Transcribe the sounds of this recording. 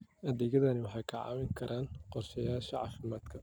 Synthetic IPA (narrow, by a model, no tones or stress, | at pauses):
ʔɐðɛːɣɐðɐnɪwɑħɑjkʰɑʕɑ̰ːmɪŋkʰɐɾʔaːnqɔrʃɐjaːʃɐʕɑ̰ːfɪmaːd̪kʰɐ